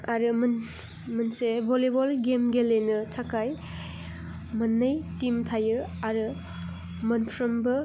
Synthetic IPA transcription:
aɾɯmn | mɐnsebʱolebolɡemɡelenɯtʰakaj | mɐnːɐjtimtʰajɯaɾɯ | mɐnpʰɾɐmbɯ

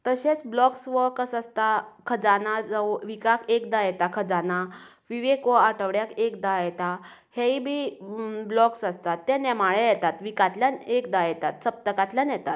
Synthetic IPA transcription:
t̪əɕet͡sblɔksʋəkəsəst̪akʰəd͡zanad͡zaoʋikakekd̪ajɛt̪akʰəd͡zana | ʋiʋekɔaʈʰəʋɽjakekd̪ajɛt̪a | heibʱiblɔksast̪at̪ːɛ̃nɛmaɭɛjɛt̪at̪ʋikat̪ljanekd̪ajɛt̪at̪səp̚t̪əkat̪ljanjɛt̪at̪̚

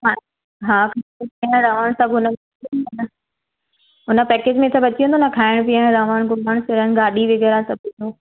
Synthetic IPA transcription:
ɦa | ɦaːkʰapiãɾaːʋaɽ̃sɐbʱɦʊnəbɐiũnd̪onə | ɦʊnə̆pɛːkeːd͡ʑmẽt̪ʰɐbɐt͡ɕiũːnd̪onɐkʰaːɪɽ̃p̬iãɾaːʋəɽ̃ɡʊlaɽ̃sɪɾənɡaːɗiʋɪɡɛɾãsɐbʱũno

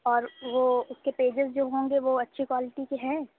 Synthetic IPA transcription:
ɔːɾʋoːʊskepeːd͡ʒɪzd͡ʒoːɦõːŋɡeʋoɐtːʃʰikwaːlɪʈikeɦɛ̃ː

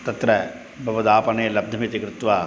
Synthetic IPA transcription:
t̪ɐt̪ɾɐ | bʱɐʋɐd̪aːpɐneːlɐb̚d̪ʱɐmit̪ikɾut̪ʋaː

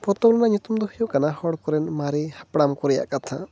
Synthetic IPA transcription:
pɔt̪ɔklɔnaɲut̪umd̪ɔhijɔʔkanahɔɽkɔɾɛnmaɾihḁpɽamkɔɾɛja̰ʔkat̪ʰa̰

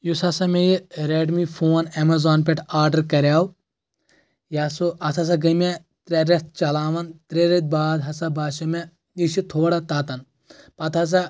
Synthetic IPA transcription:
jusɐsɐmejiɾeɖmifʰoːnemɐzaːnp̬eʈʰaːɾɖɐɾkɐɾʲjaːw | jaːsuɐsʰɐs̬ɐɡɐme | t̪ɾeɾest̪̚t͡ʃɐlaːʋɐnt̪ɾeɾet̪̚baːd̪ɦɐsɐbaːʃɐme | iʃit̪ʰoːɽat̪aːt̪ɐn | pɐt̪ɐs̬ɐ

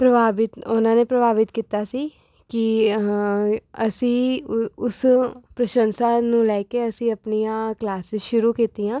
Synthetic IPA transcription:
pɾəbaːbɪt̪ʊnãːneːpɾəbaːʋɪt̪kiːt̪aːsiː | kɪ | əsĩːʊspɾəʃənsaːnũːlɛːkeːəsĩːəpnijãːklaːsɪzʃʊɾuːkiːt̪iːãː

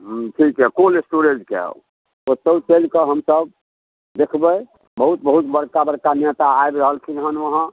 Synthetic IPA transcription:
ʈʰikɦɛkolesʈoɾed͡ʒkḛ | ot̪əwt͡ʃəlkəɦəmsəb | d̪ekʰbə | bəɦut̪bəɦut̪bəɽkabəɽkanet̪aːebɾəɦəlkʰid͡ʒəɦənʋəɦə̃

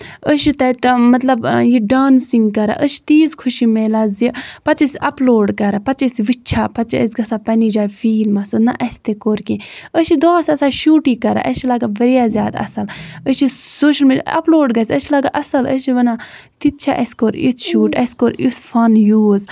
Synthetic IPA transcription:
əʃit̪ɐt̪mɐt̪lɐbjiɖaːnsiŋɡkɐɾa̰ʔəʃi̥t̪iːzkʰuʃimeːlazipɐt̪t͡ʃisʲɐploːɖkɐɾapɐt͡ʃisʋitːt͡ʃʰaːpɐt͡ʃɐ̰sʲɡɐsaːpɐnid͡ʒaːjfiːlmɐsɨnɐʔɐsʲt̪ekoːɾkẽəʃid̪ɔːsɐsaʃuːʈiːkɐɾa̰ʔɐʃilaɡabɐɾijaːzʲjaːd̪ɐ̰sɐləʃi | soːʃɐlmiːɖʲja̰ɐ̰ploːɖɡɐsʲəʃilɐɡaʔɐsɐləʃiʋɐnat̪it̪̚t͡ʃʰaʔɐsʲkoɾḭt̪ʰʃuːʈɐ̰sʲkoːɾit̪ʰfɐnjuːz

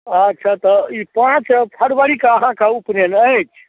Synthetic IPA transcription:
ətːʃʰat̪ɔipãt͡ʃpʰəɽʋəɽikaəɦãkaupnenət͡ʃʰ

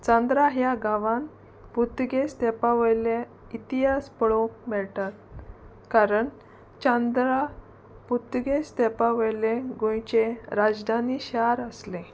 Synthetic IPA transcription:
t͡sãnd̪ɾaɦjaɡaʋãn | put̪ɡest̪epaʋəjle | it̪iɦaspəɭokmɛɭʈat̪̚ | kaɾəɳ | t͡ɕãnd̪ɾa | put̪ɡest̪epaʋəjleɡõjt͡ɕeɾad͡zd̪ʱaniɕaɾəslẽ

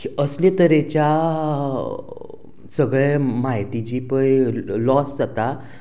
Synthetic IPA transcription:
kiəslẽt̪əɾet͡ɕja | səɡɭemaɦit̪it͡ɕiːpəjlɔsd͡zat̪a

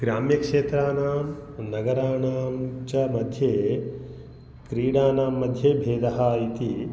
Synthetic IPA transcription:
ɡɾaːmjɐkʂeːt̪ɾaːnaːmnɐɡɐɾaːnaːmt͡ʃɐmɐd̪ʱjeː | kɾiːɽaːnaːmːɐd̪ʱjeːbʱeːd̪ɐɦɐit̪i

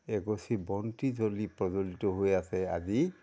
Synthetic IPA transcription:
eɡɔsibɔntizolipɹɔzolitɔɦojasɛa̰zi

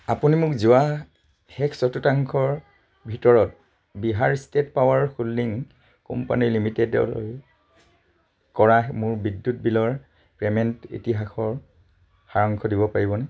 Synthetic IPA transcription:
a̰punimʊkzʊwa | xɛkʰsɔtutaŋkʰɔɹ | bʱitɔɹɔt̚ | biɦaɹstetpawaɹxulːiŋ | kɔ̰mpa̰niɹlimitedɔ̰l̰j | kɔɹamʊɹbidːut̚bilɔɹ | pɹɛmɛntḭtiɦaxʰɔɹ | xaɹɔŋkʰɔdibɔpaɹibɔnɛ

